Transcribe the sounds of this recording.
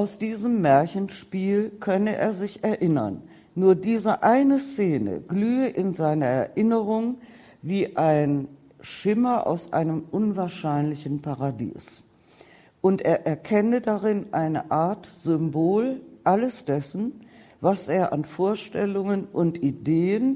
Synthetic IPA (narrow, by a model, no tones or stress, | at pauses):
ʔaʊsd̥iːzəmːɛɐçn̩ʃpiːlkʰœnəʔḛːɐzɪçɛɐʔɪnɐ̰nː | uːɐdiːzəʔaɪnəst͡seːnə̰ɡlyːəʔɪnzaɪnɐɛɐʔɪnəʁʊŋ | viːʔaɪn | ʃɪmɐʔa̰ʊsʔa̰ɪnəmʔʊnvaːɐʃaɪnlɪçn̩paʁadḭːs | ʔʊntʔeːɐʔɛɐkʰɛnədaʁɪnʔaɪnəʔaɐtz̥ʏmboːlʔaləsd̥ɛsn̩vasʔeːɐʔa̰nfoːɐʃtɛlʊŋənʔʊntʔideːən